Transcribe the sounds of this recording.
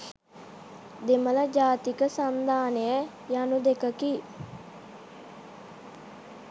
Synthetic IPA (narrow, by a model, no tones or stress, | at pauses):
d̪emələd͡ʒaːt̪ikəsand̪ʱaːnejə | janud̪ekəki